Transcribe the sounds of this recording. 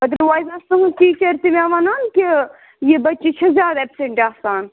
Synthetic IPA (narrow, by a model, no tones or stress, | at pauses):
ɐd̪əɾɾʋaːjzaːst̪ɐɦuʈiːt͡ʃɐɾt̪imaːʋaːnaːnkʲi | jebɐtːt͡ʃit͡ʃʰɐzʲjaːd̪ɐepseɳʈaːsaːn